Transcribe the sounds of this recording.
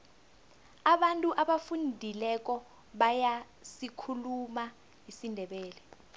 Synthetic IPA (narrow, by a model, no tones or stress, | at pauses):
aɓantʼuʔaɓafundʱilɛk̬ɔ | ɓaja | sikʰuluma | ɦisindʱɛɓɛːlɛ